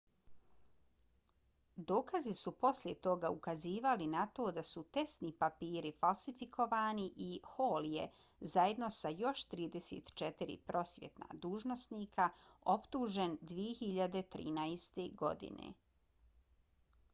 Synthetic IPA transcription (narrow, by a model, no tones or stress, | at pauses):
d̪o̞ːkazisupo̞sljet̪o̞ɡaukaziːʋalinat̪o̞ːd̪asut̪e̞st̪nipapiːɾifalˠsifikʰo̞ʋaːniʔihoːljḛ | zaje̞d̪no̞sajo̞ʃt̪ɾiːd̪e̞sḛt̪t͡ʃet̪iɾḭpɾo̞sjḛt̪na̰d̪uːʒnosniːkʰao̞pt̪uːʒe̞nd̪ʋije̞xiʎad̪e̞t̪ɾḭːnaest̪eɡo̞̰d̪ḭnḛ